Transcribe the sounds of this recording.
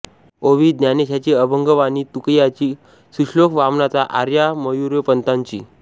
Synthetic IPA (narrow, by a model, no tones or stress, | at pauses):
oʋiːd̪janeɕat͡ɕiːəbəŋɡəʋaniːt̪ukjat͡ɕiː | suʂlokʋamnat͡saʔaɾjaməjuɾəpənt̪ãɲt͡ɕḭː